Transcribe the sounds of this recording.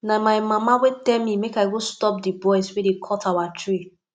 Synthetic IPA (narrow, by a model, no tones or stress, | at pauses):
namaɪmamawetɛlmimekaɪɡostɔp̚dibɔɪswedekʰɔtawatʰɹi